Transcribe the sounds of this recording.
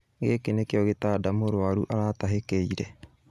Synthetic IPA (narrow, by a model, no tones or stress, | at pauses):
ɡekenekeɔɣetaːdamoɾwaɾuʔaɾataɦekeiɾɛ